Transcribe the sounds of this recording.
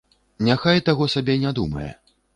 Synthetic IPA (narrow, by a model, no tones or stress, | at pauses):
nʲaxajt̪aɣɔsabʲɛnʲad̪umɐ̰jɛ̰